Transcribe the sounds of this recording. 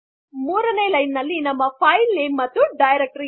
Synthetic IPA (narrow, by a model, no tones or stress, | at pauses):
muːɾɐnejlɐjnːɐlːinɐmːɐpʰɐjlːemːɐt̪ːuɖɐjɾek̚ʈɾi